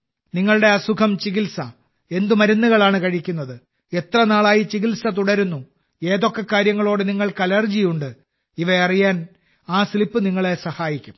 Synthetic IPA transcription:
niŋːɐɭɨɽe̞ɐsukʰɐmt͡ɕiɣilsɐ | e̞nd̪umɐɾunːuɣɐɭaːɳɨkɐɻikʲːunːɐðɨ | e̞t̪rɐnaːɭaːjit͡ɕiɣilsɐt̪̬uɽɐɾunːu | e̞ːðo̞kːe̞kːaːɾjɐŋːɐɭo̞ːɽɨniŋːɐɭkɐlɐrd͡ʑijuɳɖɨ | iʋɐɐrijaːn | aːsilipːɨniŋːɐɭe̞sɐhaːjikʲːum

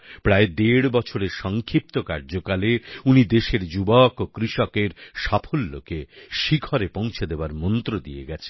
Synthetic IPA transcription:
pɾaed̪eɽbɔt͡ɕʰoɾeɾʃɔŋkʰɾip̚t̪oka̰ɾd͡ʑokaleunid̪eʃeɾd͡ʑubɔkokɾiʃɔkeɾʃapʰolːokeʃikʰɔɾepõw̃t͡ɕʰed̪ebaɾmɔnt̪ɾod̪ijḛɡɛt͡ɕʰe̥

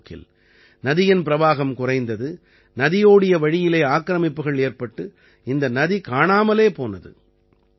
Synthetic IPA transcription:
kːɪ̰l | nɐðɪjɐnpɪɾɐʋaːɣɐmkʊrɐɪnd̪ɐðɯ | nɐðɪjoːɽɪjɐʋɐɻɪjɪleːaːkːɾɐmɪpːɯɣɐɭeːrpɐʈːɯ | ɪnd̪ɐnɐðikaːɳaːmɐleːpoːnɐðɯ̰

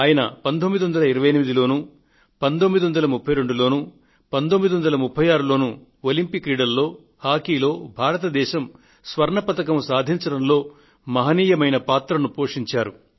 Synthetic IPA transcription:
aːjɐnɐ̰pɐnd̪omːid̪iʋɐnd̪ɐlɐiɾɐʋɐjɐnimid̪ilo̞ːnu | pɐnd̪omːid̪iʋɐnd̪ɐlɐmupʰːɐjɾe̞ɳɖulo̞ːnu | pɐnd̪omːid̪iʋɐnd̪ɐlɐmupʰːɐjaːɾulo̞ːnu | olimpikɾiːɽɐlːo̞ː | haːkiːlo̞ːbʱaːɾɐt̪ɐd̪ɛːʃɐm | sʋɐɾɳɐpɐt̪ɐk̬ɐmusaːd̪ʱiɲt͡ʃɐɽɐmlo̞ː | mɐɦɐniːjɐmɐjnɐpaːt̪ɾɐnupo̞ːʂiɲt͡ʃaːɾu

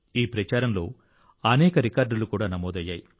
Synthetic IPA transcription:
iːpɾɐt͡ʃaːɾɐmlo̞ː | ɐnɛːkɐɾikaːɾɖulukuːɽaːnɐmoːd̪ɐjːaːji

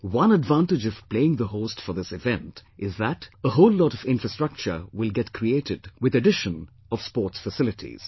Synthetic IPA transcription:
wʌ̃nədvæ̃ntɨd͡ʒʌv̥pl̥eɪɪ̃ŋðəɦoʊstfəðɪsɨvɛ̃ntʔɪzðətəɦoʊlːɔɾʌvɪ̃nfɹəstɹ̥ʌk̚t͡ʃə̰˞wɪlˠɡɛtkʰɹieɪɾɨdwɨðɨdɪʃə̃n | ʌv̥spɔɹtsfəsɪlɨtʰḭz̥

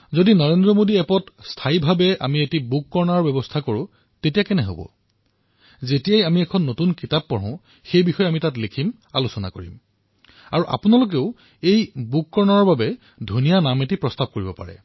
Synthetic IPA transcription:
zodinɔɹendɹɔmodiɛpɔtstʰaibʱabɛʔa̰mietibukːɔɹnaɹbɛbɔstʰakoɹʊ̃ | tetijakɛnɛɦo̰bɔ̰ | zetijajamiɛkʰɔnːotunkitapːɔɹɔ̃ʊ̃ | xejbixɔjɛamitatlekʰim | a̰lusɔna̰koɹḭm | a̰ɹuʔa̰punalʊk̬eʊ | ejbukːɔɹnaɔɹbabɛ | dʱunijanametipɹɔstab̚koɹibɔpa̰ɹɛ̰

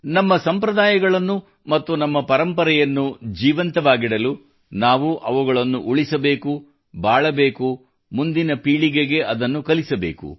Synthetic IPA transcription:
nɐmːɐsɐmpɾɐd̪aːjɐɡɐɭɐnːu | mɐt̪ːunɐmːɐpɐɾɐmpɐɾɛjɐnːud͡ʒiːʋɐnt̪ɐʋaːɡiɽɐlu | naːʋuʔɐʋuɡɐɭɐnːuʔuɭisɐbe̞ːku | bʱaːɭɐbe̞ːku | mund̪inɐpiːɭiɡeɡe̞ɐd̪ɐnːukɐlisɐbe̞̰ːkṵ

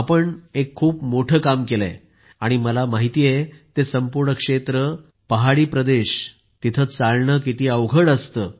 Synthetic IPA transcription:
apəɳekʰːuːpmoʈʰəkamkelḛ | aɽ̃iməlamaɦit̪iːjet̪esəmpuɾɳəkʂet̪ɾə | pəɦaɽiːpɾəd̪eɕ | t̪it̪ʰət͡salɳəkit̪iːəʋɡʱəɽəst̪əː

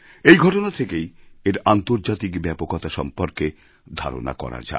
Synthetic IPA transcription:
ejɡʱɔʈonat̪ʰekejeɾant̪oɾd͡ʑat̪ikbɛpokɔt̪aʃɔ̰mpoɾke | d̪ʱa̰ɾo̰na̰kɔ̰ɾa̰d͡ʑa̰

